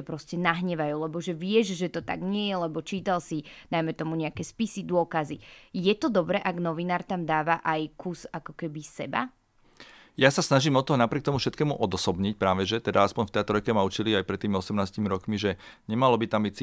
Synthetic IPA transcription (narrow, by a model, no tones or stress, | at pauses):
ɛpɾɔscɛnaɦɲɛʋajuːlɛbɔʒɛʋɪɛʒʒɛt̪ɔt̪a̰ɡɲɪɛjɛlɛbɔt͡ʃiːt̪alsid̪̥ajmɛt̪ɔmuɲɛakɛspisid̪ʊɔkazijɛt̪ɔd̪ɔbɾɛʔaɡnɔʋinaːɾt̪amd̪aːʋaʔajkuzakɔkɛbisɛ̰ba̰ | jasasnaʒiːmɔt̪ːɔɦɔnapɾɪɛk̚t̪ɔmufʃɛt̪kɛːmuʔɔd̪ɔsɔbɲic̚pɾaːʋɛʒɛt̪ɛd̪aaspɔɲft̪ɛːt̪ɔɾɔjkɛmaut͡ʃiliajpɾɛt̪ːiːmiɔsɛmnaːscimiɾɔkmiʒɛɲɛmalɔbit̪ambit͡s